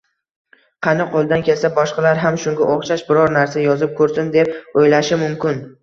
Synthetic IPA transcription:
qʰɑnɪqʰolˠd̪ankʲʰe̞lsabɒʃqɑlaɾɦamʃʊŋɡʲaʔoχʃaʃbɪɾɒɾnaɾsajɒzɪp̚kʰɵɾsɪnd̪e̞p̚ojlaʃɪmʊmkʲɪn

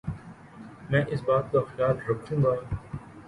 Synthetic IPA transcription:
mɛ̃ːʔɪsbaːt̪̚kaxjaːlɾɐkʰːũːɡaː

